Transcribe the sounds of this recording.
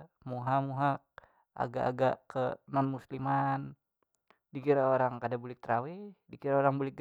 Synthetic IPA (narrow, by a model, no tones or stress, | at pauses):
muɦamuɦa | a̰ɡaʔːɡaʔkənɔnmusliman | dikiɾaoɾaŋkadabulik̚t̪ɾawidikiɾaoɾaŋbulik̚ɡ